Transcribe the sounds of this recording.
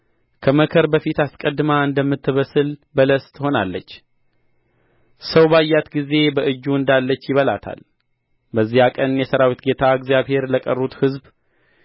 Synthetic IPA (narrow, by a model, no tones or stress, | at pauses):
kʰəməkʰəɾbəfit̪askʼəd̪maɨnd̪əmːɨt̪ːɨβəsɨlbələst̪ɨho̞nalːə̰t͡ʃː | səwbajːat̪ɡize̞bəʔɨd͡ʒːuɨnd̪alːət͡ʃːjɪβəlat̪ʰa̰l | bəzːihakʼənjɛsəɾawit̪ɡe̞t̪ʰaəɡzjaβhe̞ɾləkʼərːut̪hɨzb